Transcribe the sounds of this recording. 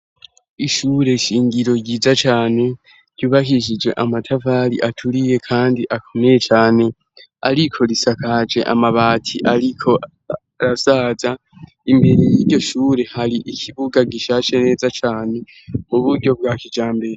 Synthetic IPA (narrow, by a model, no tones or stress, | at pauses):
iʃuːɾe̞ʃiːŋɡiɾo̞ɟiːzat͡ʃaːne̞ | ɾɟuːβakiʃ̬id͡ʒwe̞̰ʔamatʰavaːɾḭʔatʰuɾije̞kʰaːndiʔakʰome̞jet͡ʃaːne̞ | aɾikʰo̞ɾisakad͡ʒe̞̰ʔa̰maβaːtʰiʔaɾikʰo̞ | aɾasaːza | imbe̞ɾejiɾɟo̞ʃuːɾe̞haɾiʔicʰiβuɡaɡiʃaːʃe̞ne̞ːzat͡ʃaːne̞ | uβuɾɟo̞bɡaːkid͡ʒaːmbe̞ɾe